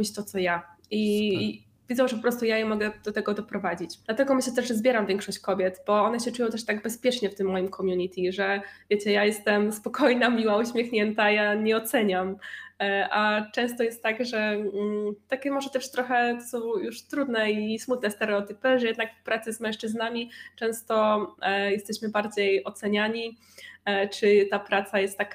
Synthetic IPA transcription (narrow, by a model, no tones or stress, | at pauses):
it͡ɕt̪ɔt̪sɔjaʔi | vʲidzɔ̃w̃ʐɛpɔpɾɔst̪ujajɛmɔɡɛd̪̥ɔt̪ɛɡɔd̪ɔpɾɔvad͡ʑit͡ɕd̪̥lat̪ɛɡɔmɘɕlɛt̪ɛʐʐɛzbʲjɛɾamvʲjɛŋkʂɔɕt͡ɕkɔbʲjɛt̪bɔɔnɛɕɛt͡ʂujɔ̃t̪ɛʂt̪aɡbɛspʲjɛt͡ʂɲɛft̪ɘmːɔjimkʰɔmʲjuɲit̪ʰʲiʐɛvʲjet͡ɕɛjajɛst̪ɛmspɔkʰɔjnamʲiwauɕmʲjexɲɛnt̪ajaɲɛɔt̪sɛɲam | ʔat͡ʂɛ̃w̃st̪ɔjɛst̪tːaɡʐɛ | t̪akʲɛmɔʐɛt̪ɛʂt̪ɾɔxɛsɔjuʂt̪ɾud̪nɛismut̪nɛst̪ɛɾɛɔt̪ɘpɘʐɛjɛd̪nakfpɾat̪sɨzmɛ̃w̃ʂt͡ʂɘznamʲit͡ʂɛ̃w̃st̪ɔjɛst̪ɛɕmɘbaɾd͡ʑejɔt̪sɛɲaɲi | t͡ʂɘt̪apɾat̪sajɛst̪ːak